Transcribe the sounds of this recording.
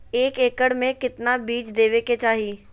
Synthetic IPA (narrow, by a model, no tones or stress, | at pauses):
eːkeːkəɽmẽkɪt̪nabiːt͡ʃd̪eːʋeket͡ʃaːɦi